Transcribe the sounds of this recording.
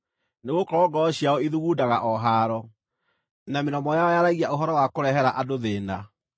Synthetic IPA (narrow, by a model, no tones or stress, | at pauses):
neɣokɔɡɔɔɕjaɔiðuɣudaɣaʔɔɦaːɾɔ | namenɔmɔjaɔjaɾaɣiaoɦɔɾɔwakoɾɛɦɛɾaʔadoðeːna